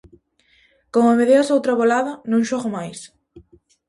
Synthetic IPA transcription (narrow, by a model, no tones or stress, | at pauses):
komomeðeasowt̪ɾaβolaðɐnũŋʃɔɣomajs